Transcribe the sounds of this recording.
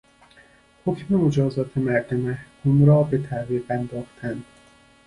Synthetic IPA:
hocʰme̞mod͡ʒɒːzɒːt̪ʰe̞mæɾd̪emæhkʰumɾɒːbe̞t̪ʰæviːɣænd̪ɒːxt̪ʰænd̪̥

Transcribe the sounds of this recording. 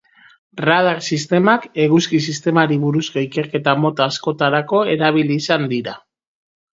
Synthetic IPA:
rað̞aɾsist̪e̞make̞ɣuskisist̪e̞maɾiβuɾusko̞ike̞ɾke̞t̪amo̞t̪aasko̞t̪aɾako̞e̞ɾaβ̞iliːsand̪iɾa

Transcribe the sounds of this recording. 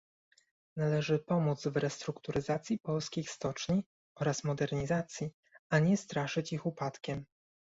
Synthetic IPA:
nalɛʐɘpɔmud̪zvɾɛst̪ɾukt̪uɾɘzat̪sʲjipɔlskʲixst̪ɔt͡ʂɲi | ɔɾasmɔd̪ɛɾɲizat̪sʲji | aɲɛst̪ɾaʂɘt͡ɕixupat̪kʲɛm

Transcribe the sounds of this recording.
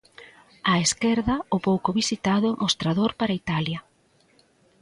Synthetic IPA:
aeskɛɾðɐopowkoβisit̪aðʊŋost̪ɾaðoɾpaɾɐit̪aljɐ

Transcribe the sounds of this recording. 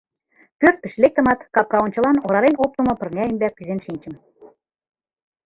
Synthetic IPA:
pørt̪̚pə̆ʃlek̚t̪ə̆mɑt̪kɑp̚kɑonʲt͡ɕɤ̆lɑnoɾɑɾenop̚t̪ŏmɤ̆pɤ̆rnʲɑemb̪ʲæk̚pyzenʃinʲt͡ɕə̆m

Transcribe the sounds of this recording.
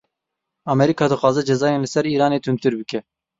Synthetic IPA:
ɑmɛɾikʰɑːd̪ɨxwɑːzɛd͡ʒɛzɑːjeːnlɨsɛɾiːɾɑːneːt̪ʰɨnt̪ɨɾbɨkɛ

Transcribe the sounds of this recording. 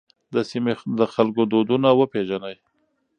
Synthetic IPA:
d̪əsimed̪əxalkod̪od̪unawəpeʒanəj

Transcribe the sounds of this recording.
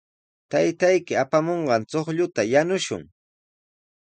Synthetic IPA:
t̪ajt̪ajkɪapamoɴɢɑnt͡soχʎʊt̪ajanʊʃʊ̰ŋ

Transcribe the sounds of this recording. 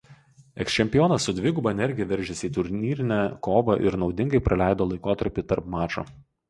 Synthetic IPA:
ɛksʲt͡ʃʲɛmʲpʲɪjoːnɐsʊd̪ʲʋʲɪɡʊbɐɛnʲɛɾʲɡʲɪjɛʋʲɛɾʲʒʲɛsʲiːt̪ʊɾʲnʲiːɾʲɪnʲæːkoːʋɐʔɪ̰ɾnɒʊd̪ʲɪŋɡɐɪpɾʔɐlʲæˑɪd̪oːlˠɐɪkoːt̪ɐɾʲpʲit̪ɐɾpmɑːt͡ʃo̰ː

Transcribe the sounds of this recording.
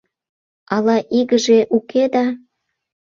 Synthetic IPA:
ɑlɑʔiɣəʒeʔuked̪ɑ

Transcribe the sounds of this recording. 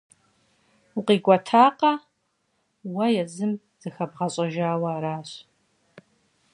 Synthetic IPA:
uqiːɡʷɔtʰaːqɐ | wɐjɛzɨm | z̥ɨxɐbʁɐɕʼɐʒaːwɐɾaːɕ

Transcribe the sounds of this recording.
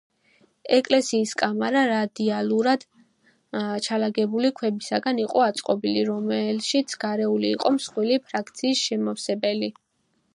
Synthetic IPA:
ɛkʼlɛsiːskʼamaɾaɾad̪ialˠuɾad̪̥ | t͡ʃʰalaɡɛbulikʰwɛbisaɡaniqʼɔat̪sʼqʼɔbiliɾɔmɛlʃit̪sʰɡaɾɛuliːqʼɔmsχwilipʰɾakʰt̪sʰiːsʃɛmafsɛbɛli

